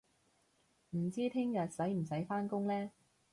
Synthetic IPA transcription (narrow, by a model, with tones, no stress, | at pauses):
m̩˨˩t͡siː˥t̪ʰɪ˥ŋjɐ˨t̚sɐ˨˥jm̩˨˩sɐ˨˥jfaː˥nkʊ˥ŋlɛː˥